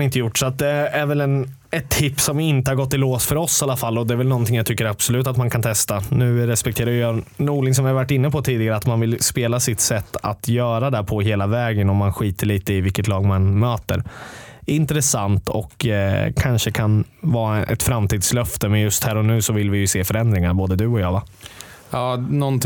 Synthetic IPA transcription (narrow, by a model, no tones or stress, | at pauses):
nɪnt̪əjʊʈːsɔat̪̚d̪ɛæɾvɛlɛn | ɛt̪ʰːɪpːsɔmɪnt̪əhaɾɡɔt̪ːɪloːsfœɾɔsːalːafalːɔd̪ɛːɾvɛlnɔnt̪ʰɪŋjat̪ʰʏkːəɾab̥sɔlʉ̟ːt̪at̪mankʰant̪ʰɛst̪anʉ̟ːɾɛspɛkt̪ʰeːɾajʏjɑnuːlɪns̬ɔmvɪhaɾvaʈːɪnːəpʰɔt̪ʰiːd̪ɪɡaɾəat̪manvɪlspeːlasɪt̪sɛt̪ʰːa̰t̪ʰjœːɾad̪ɛpʰɔɦeːlavɛːɡənɔmːanɧiːt̪əɭiːt̪əɪvɪlkət̪lɑːɡmanmøːt̪ə̰ɾɪnt̪ɾɛsant̪ɔ̰kːkʰanʂəkʰan | vɑːaʔɛ̰t̪fɾamt̪ʰiːd̪slœft̪əmɛnjɵst̪hæːɾɔnʉ̟ːsɔvɪlvɪjɵseːfœɾɛnd̪ɾɪŋaboːd̪əd̪ɵɔjɑːva | ɑːnɔnt̪